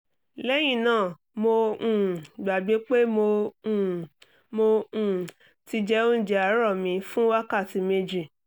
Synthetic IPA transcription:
lɛ˦j̃ĩ˦˨nãː˦˨ | mo˧ũ˦˨ɡ͡ba˨ɡ͡be˨˦k͡pe˦mo˧˦˨ | mo˧ũ˨ | ti˧d͡ʒɛ˦o˦n̩˦˨d͡ʒɛ˨˦a˨˦ɾɔ˦˨mĩ˨˧fũ˦wa˦ka˦˨ti˨˧˦me˧d͡ʒi˨

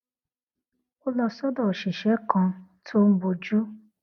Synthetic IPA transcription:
o˦lɔ˧sɔ˦dɔ˨ʃi˨ʃɛ˨˦kʰɔ̃˧tʰo˦m̩˦bo˧d͡ʒu˦

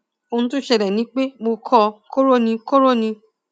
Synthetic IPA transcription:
o˧nũ˦tũ˦ʃɛ˧ɾɛ˨nĩ˨˦k͡pe˦mo˧kʰɔ˧ko˦ɾo˦nĩ˧ko˦ɾo˦˨nĩ˧

